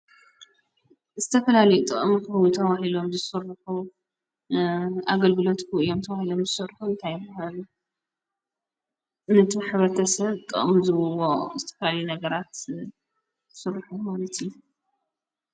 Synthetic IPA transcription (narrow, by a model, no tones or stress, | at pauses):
zɨt̪ʰɐfɐlalɐjut̪ʼɨ̰ʔʼmkɨwut̪ʰɐβahilo̞mzɨsɨrːħu | aɡɐlɡɨlo̞t̪kʰɨɨjomt̪ʰɐβahilo̞mzɨsɨrħuɨnt̪ʰajɨbahalu | nɨt̪ʰɨħɨβɾɐt̪ʰɐsɐβt̪ʼɨ̰ʔʼmzɨβɨwozɨt̪ʰɐ̥fɐlalɐjunɐɡɐɾat̪ | sɨɾħumalɐt̪iju